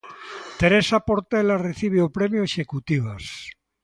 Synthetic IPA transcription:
t̪eɾesapoɾt̪elareθiβ̞eupɾemjoeʃekut̪iβ̞as

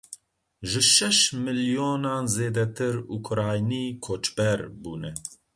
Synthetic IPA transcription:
ʒɨʃɛʃmɨlijoːnɑːnzeːd̪ɛt̪ʰɨɾukʰʊɾɑːjniːkʰoːt͡ʃbɛɾbuːnɛ

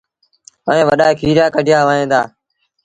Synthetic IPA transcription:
əẽːʋəɗaːekʰiːɾjaːkəɖʱɪjaːʋaːẽːd̪aː

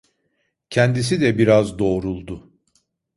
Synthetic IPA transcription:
cʰɛnd̪is̬id̪ɛbiɾazd̪o̞ːɾulˠd̪ʊ

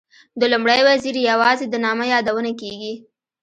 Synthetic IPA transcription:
d̪əlʊmɽəjwaziɾjawɑzed̪ənɑməjɑd̪awənakeɡi

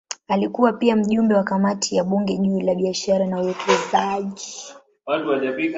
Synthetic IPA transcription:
alikuwapiam̩ʄumbɛwakamatʰijaɓuŋɡɛʄuːlaɓiaʃaɾanauwɛkʰɛzaʄi | watuaʄapik

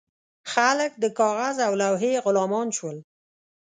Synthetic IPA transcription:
xalək̚d̪əkɑɣazawlawɦeɣʊlɑmɑnʃwəl

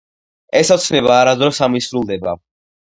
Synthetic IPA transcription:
ɛsɔt̪sʰnɛβaːɾad̪ɾɔsamisɾulˠd̪ɛba̰

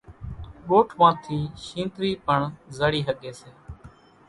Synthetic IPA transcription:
ɓoːʈʰʋãːt̪ʰiːʃĩːnt̪ɾiːpəɳzəɽiːɦəɠeːseː

